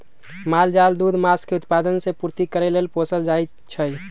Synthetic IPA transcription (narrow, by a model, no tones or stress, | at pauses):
mald͡ʒald̪ud̪maskeut̪pad̪ənsepuɾt̪ikəɾelelposəld͡ʒaj | t͡ʃʰəj